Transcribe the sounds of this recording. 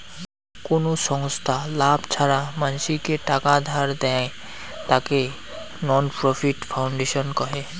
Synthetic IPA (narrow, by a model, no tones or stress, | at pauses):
konoʃɔŋst̪ʰalabʱt͡ʃʰaɾamanʃikeʈakad̪ʱaɾd̪ɛ̃ | t̪ake | nɔnpɾɔpʰiʈfʰawɳɖeʃɔnkɔɦe